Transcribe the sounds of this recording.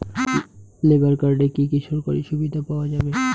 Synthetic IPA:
lebaɾkaɾɖekikiʃʰoɾkoɾḭʃubid̪ʱapaoad͡ʑabe

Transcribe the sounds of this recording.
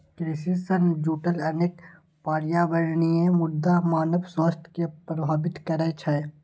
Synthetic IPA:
kɾesisənd͡ʒuːʈəlɐneːk | paːɾɪjabɐɽniẽmʊd̪ːamaːnəbswəst̪ʰkepɾbʱaːbɪt̪kɐɾet͡ʃʰɐ

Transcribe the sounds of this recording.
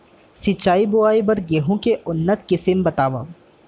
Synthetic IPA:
sit͡ʃːaːibʊaːibɐɾɡeːɦõkeʔʊnːət̪kɪsɪmbɐt̪aːʋa̰

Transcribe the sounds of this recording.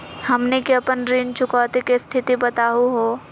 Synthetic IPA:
hɐmnekiɐpənɾiːnt͡ʃʊkɔːt̪ekest̪ʰɪt̪ibɐt̪aːuɦoː

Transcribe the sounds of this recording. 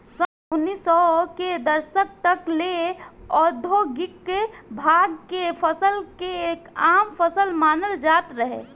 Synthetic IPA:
sɔ | ʊnːisɔked̪əɾsək̚t̪əkleɔd̪ʱoɡikːebʱaɡkepʰəsəlkeekaːmpʰəsəlmaːnəld͡ʒaːt̪ɾəɦḛ

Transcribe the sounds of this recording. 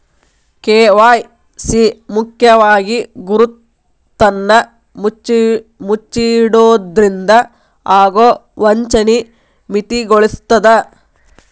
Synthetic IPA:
keːʋaːj | siːmukʰjɐʋaːɡiɡuɾut̪ː | ɐnːɐ | mut͡ʃːiɽoːd̪ɾind̪ɐ | aːɡoːʋɐɲt͡ʃɐni | mit̪iɡoɭist̪ːɐd̪ɐ

